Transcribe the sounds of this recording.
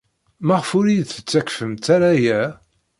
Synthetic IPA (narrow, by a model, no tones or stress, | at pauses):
mæʁəfʊɾiθə̥t͡sːækfəmt̪aɾajæ